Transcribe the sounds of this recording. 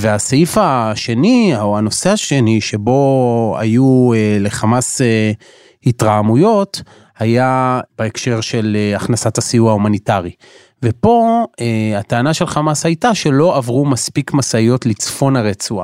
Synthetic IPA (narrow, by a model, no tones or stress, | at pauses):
veaseifaʃe̞nioano̞seaʃe̞niʃe̞bo̞a̰juele̞χamase | hitʁamujo̞t | hajab̥eekʃe̞ʁʃe̞leaχnasatasijuaumanitaʁi | vepo̞eataːnaʃe̞lχamashajtaʃe̞lo̞ʔavʁumaspikmasaijo̞tlit͡sfo̞naʁet͡sua̰